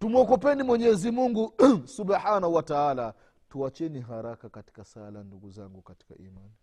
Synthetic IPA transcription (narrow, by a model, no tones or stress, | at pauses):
tumɔkɔpɛnimwɛɲɛzimuŋɡusubaħanauwataala | tuat͡ʃɛniɦaɾakakati̥kasalamnduɡuzaŋɡukati̥ka̰ʔimani